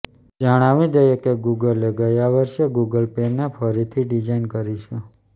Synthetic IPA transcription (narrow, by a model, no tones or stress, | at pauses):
d͡ʒəɽ̃aʋĩd̪əjekeɡuɡəleɡəjaʋəɾʃeɡuɡəlpenefʰəɾit̪ʰiɖid͡ʒainkəɾit͡ʃʰe